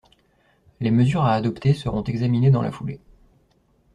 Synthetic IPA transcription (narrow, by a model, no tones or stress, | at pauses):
leməzyʁaːd̪ɔpt̪esəʁɔ̃t̪ɛɡzamined̪ɑ̃la̰fule